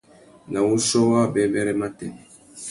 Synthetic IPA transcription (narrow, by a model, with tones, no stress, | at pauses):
na˨wu˦sɔ˦wa˦bɛ˦bɛ˦ɾɛ˦ma˦tɛ˨